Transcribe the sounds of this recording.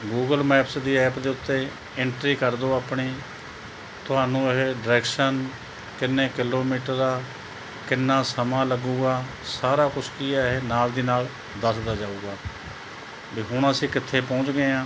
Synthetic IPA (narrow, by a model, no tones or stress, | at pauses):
ɡuːɡəlmɛːpsd̪iːɛːpd̪eːʊt̪ːeː | ɪɳʈɾiːkəɾd̪oːaːpɳiː | t̪ʊɦaːnũːəɦeːɖəɾɛːkʃən | kɪnːeːkɪloːmiːʈəɾːaː | kɪnːãːsəmãːləɡuːɡaː | saːɾaːkʊt͡ʃʰkiːɦeːnaːld̪iːnaːl | d̪əsd̪aːd͡ʒaːuːɡaː | biːɦʊɳəsĩːkɪt̪ʰːeːpɔ̃ːt͡ʃɡeːãː